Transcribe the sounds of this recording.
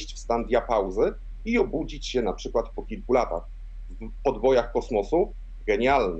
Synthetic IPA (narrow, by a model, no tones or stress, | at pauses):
ɕt͡ɕfst̪and̪ʲjapawzɘ | iɔbud͡ʑit͡ɕɕɛnapʂɘkwat̪pɔkʲilkulat̪a̰x | v | pɔd̪vɔjaxkɔsmɔsu | ɡɛɲalnɛ